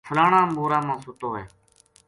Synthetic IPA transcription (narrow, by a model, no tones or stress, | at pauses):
pʰəlaːɳãːmboːɾãːmãːsʊt̪oːɦeː